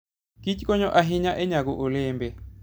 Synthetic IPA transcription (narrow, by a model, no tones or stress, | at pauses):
kit͡ʃkɔɲɔʔaɦɪɲaʔeɲaɡoʔoleːmbe